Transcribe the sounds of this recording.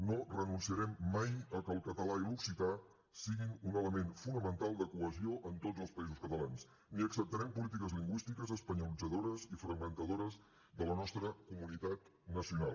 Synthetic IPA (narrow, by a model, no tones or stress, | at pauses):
norənunsiəɾɛmːajəkəlˠkət̪əlailuksit̪a | siɣinunələmenfunəmənt̪alˠd̪əkuəzioʔənt̪odd͡zzəlˠspəizuskət̪əlans | niəksəp̚t̪əɾɛmpulit̪̬ikəzliŋɡwist̪ikəzəspəɲulid͡zəðoɾəzifɾəɡmənt̪əðoɾəz | ðələnɔst̪ɾəkumunit̪at̪ | nəsiunalˠ